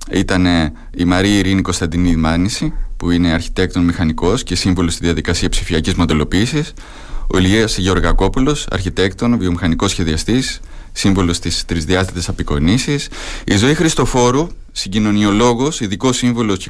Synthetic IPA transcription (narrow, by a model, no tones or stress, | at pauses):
it̪ɐne | imɐɾiiɾinikost̪ɐnd̪inimɐnisipuine̞ɐɾçi̥t̪e̞k̚t̪o̞nmixɐniko̞sce̞siɱvolost̪iðiɐðikɐsiɐpsifiɐcizmond̪e̞lo̞piːsis | o̰liesʝeo̞ɾɣɐko̞pulo̞sɐ̰ɾçit̪e̞kt̪o̞nvio̞mixɐniko̞sçe̞ðiɐst̪isː | iɱvolo̞st̪ist̪ɾizðiɐst̪it̪e̞sɐpiko̞nisisizo̞ixɾist̪o̞fo̞ɾu | siɲɟino̞nio̞lo̞ɣo̞siðiko̞siɱvolo̞s